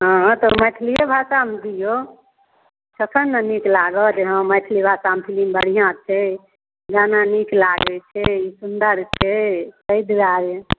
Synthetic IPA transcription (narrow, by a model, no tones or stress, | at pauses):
ɦə̃ɦt̪ɔməjʈ̪ʰlijebʱasamd̪ijo | t͡ʃʰəsʰənːəniklaɡɔd͡ʒeɦə̃məjʈ̪ʰlibʱasampʰilimbəɽ̤ijãt͡ʃʰɛ | ɡananiklaɡɛt͡ʃʰɛisund̪əɾt͡ʃʰɛsəjd̪ɾaɾe